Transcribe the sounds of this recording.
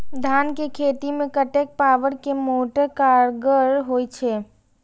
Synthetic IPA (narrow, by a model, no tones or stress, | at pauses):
d̪ʱankekʰet̪imekəʈek̚paʋəɾkemoʈekaɾɡəɾɦojt͡ʃʰɛ